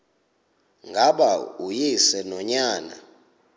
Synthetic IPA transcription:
ŋɡʱaɓaujisɛnɔɲaːna̰

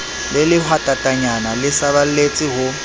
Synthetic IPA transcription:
lɪlɪhwatʼatʼaɲanalɪsaβal̩let͡sʼɪɦʊ

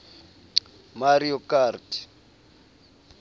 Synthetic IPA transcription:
maɾiɔkartʰi̥

